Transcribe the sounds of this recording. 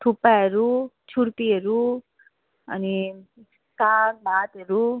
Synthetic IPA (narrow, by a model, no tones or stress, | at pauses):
ʈʰupːaɾu | t͡ʃʰuɾt̪iɐɾu | ɐ̰ni | saːk̚baːt̪ɐɾu